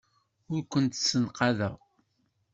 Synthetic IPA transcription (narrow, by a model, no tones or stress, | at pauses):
ʊɾkʷənt̪sːənqɑðæ